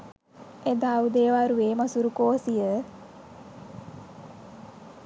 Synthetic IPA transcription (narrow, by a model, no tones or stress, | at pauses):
ed̪aud̪eːʋaɾuʋeːmasuɾukoːsijə